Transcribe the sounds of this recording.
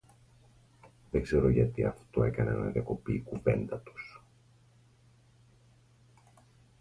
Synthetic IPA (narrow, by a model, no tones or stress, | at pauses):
ðeɡze̞ɾo̞ʝɐt̪iɐft̪o̞e̞kɐnenɐðiɐko̞piːkuve̞nd̪ɐt̪u̥s